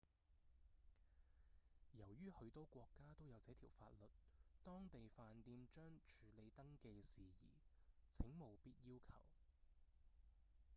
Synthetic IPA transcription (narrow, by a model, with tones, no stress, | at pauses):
jɐ˨˩wjyː˥hɵ˨˧t̪o˨˧wkʷɔː˧kːaː˥t̪o˥wjɐ˨˧wt͡sɛː˨˥t̪ʰiː˨˩wfaː˧t̚lɵ˨t̚t̪ɔː˥ŋt̪e˨jfaː˨˧nt̪iː˧mt͡ʃœː˥ŋt͡ʃʰyː˨˥le˨˧jt̪ɐ˥ŋke˧jsiː˨jḭː˨˩t͡sʰɪ˨˥ŋmo˨˩wpiː˥t̚jiː˥wkʰɐ̰˨˩w